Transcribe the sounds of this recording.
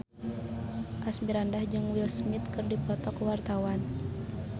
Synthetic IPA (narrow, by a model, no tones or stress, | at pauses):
ʔasmiɾandahd͡ʒɨŋwilsmit̪kɨrdipɔt̪ɔkwart̪awan